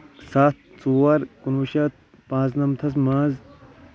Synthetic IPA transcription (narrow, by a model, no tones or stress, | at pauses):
saːt̪̚t͡suːwɐɾkunuʃɐt̪̚ | pãːznɐmt̪ʰɐs̬maːz